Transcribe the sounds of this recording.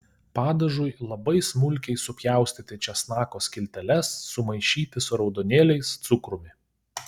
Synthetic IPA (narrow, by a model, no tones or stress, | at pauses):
pɑːd̪ɐʒʊjlˠɐbɐɪsmʊlʲˑkʲɛɪsʊpʲjæˑʊsʲt̪ʲɪt̪ʲɛt͡ʃʲɛsnɑːkoːsʲkʲɪlʲt̪ʲɛlʲɛsːʊmɐɪʃʲiːt̪ʲɪsʊɾɒʊd̪ɔːnʲeːlʲɛɪst̪sʊkɾʊmʲɪ